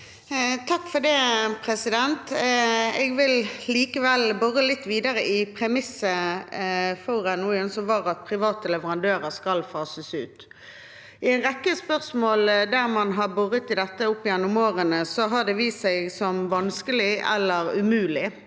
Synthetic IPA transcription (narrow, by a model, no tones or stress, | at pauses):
t̪ʰɑkːfɔd̪ɛpʰɾɛsɪd̪ɛnt̪ | ɛɡʋɪlliːkəʋɛlbɔʁəlɪt̪ːʋiːd̪əɾəʔɪpʰɾɛmɪsːə | fɔʁɛnnuːɛnsɔʋɑːʁɑt̪̚pʰʁɪʋɑːt̪əlɛʋəʁɑnd̪øːɾəɾskɑlfɑːsəsʉːt̪ | ɪæɪnʁɛkːəspœʁsmoːld̪æʁmɑnɦɑʁbʉʁət̪ɪd̪ɛt̪ːəʊpːɪjɛnːʊmoːʁənəsɔɦɑʁd̪ɛʋiːssɛɪɡsɔmʋɑnskəlɪʔɛ̰lːəɾʉmʉːlɪ